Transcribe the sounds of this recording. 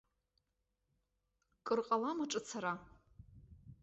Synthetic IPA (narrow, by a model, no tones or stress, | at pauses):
kʼɨrqʼalamaʈ͡ʂʼɨt͡sʰaɾa